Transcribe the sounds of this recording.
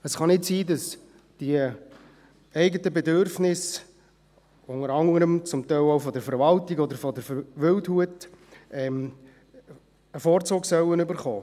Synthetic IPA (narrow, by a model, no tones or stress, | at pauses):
əsχɑnɪtsiːdɑs | d̥iə | ɛɪɡətəbɛdʏɾfnɪs | ʊŋəɾɑŋəɾəmt͡sʊmtɛɪloʊfɔdəɾfəɾvɑltɪɡɔdəɾfɔdəɾʋʏlthuətɛm | əfoːɾt͡soːɡsœwənʏbəɾχɔ̰ː